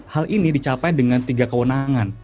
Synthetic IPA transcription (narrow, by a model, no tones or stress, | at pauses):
halʔinidit͡ʃapajdəŋant̪iɡakəwənaŋan